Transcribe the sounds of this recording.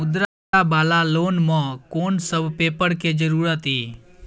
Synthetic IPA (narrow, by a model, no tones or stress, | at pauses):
ʊd̪ɾa | abaːlaloːnmɔ̃koːnsəbpeːpəɽked͡ʒəɾuːɾət̪iː